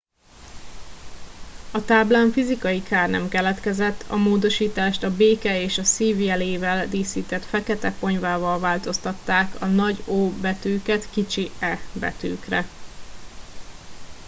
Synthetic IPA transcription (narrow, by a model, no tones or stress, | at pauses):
ɒt̪aːblaːɱfizikɒjikaːrnɛ̰mkɛlɛt̪kɛzɛt̪ːʰɒ̰moːd̪o̞ʃiːt̪aːʃt̪ɒbeːkɛeːʃɒsiːviɛleːvɛld̪iːsiːt̪ɛt̪fɛkɛt̪ɛpo̞ɲvaːvɒlvaːlt̪o̞st̪ɒt̪ːaːkɒnɒɟoːbɛt̪øːkɛt̪kit͡ʃiɛbɛ̰t̪ø̰ːkrɛ